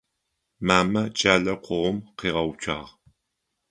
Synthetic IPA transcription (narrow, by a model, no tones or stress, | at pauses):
maːmɐt͡ʃʼaːɮɐqʷʰʊʁʷʊmqiːʁɐwt͡ʃʷʰʼa̰ːʁ